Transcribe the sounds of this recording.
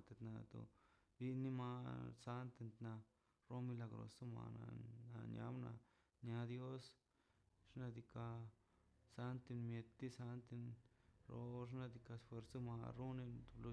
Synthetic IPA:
t̪e˧t̪na˧t̪o̰˨ | bi˧ni˦ma˧sa˦nt̪e˧nt̪na˧ | ɾo˦mi˧la˧ɡɾo̰˧so˦ma̰˧˨na̰˧na˧ɲa̰˧˦bna̰˧ | ɲa˧˦d̪jo˦s | ʂna˧d̪i˧ka˧ | sa˧nt̪i˧nmje˧t̪ːi˦sa˧nt̪i˧nɾo˧˦ʐ̬na˧d̪i˧ka˧sfwe˧ɾso˦ma˧ɾo˦ne˧t̪u˧lu˧

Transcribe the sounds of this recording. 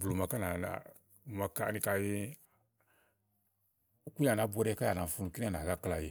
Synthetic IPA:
blo˨ma˨ka˦na˨na̰˨ | ma˨ka̰˨ni˦ka˨ji˦ | u˦ku˦a˨na˨˦bʷɔ˦ɾɛ˦ka˦a˨na˨fu˦nu˨ki˦n˦a˨na˨ɡa˦kla˨ji˨

